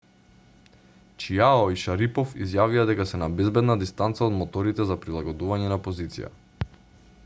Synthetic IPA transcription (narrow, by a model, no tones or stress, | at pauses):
t͡ʃiaɔiʃaɾipɔfḭzjavijad̪ɛkasɛnabɛzbɛd̪nad̪ist̪ant̪saɔd̪mɔt̪ɔɾit̪ɛzapɾilˠaɡɔd̪uvaɲɛnapozit̪sḭja̰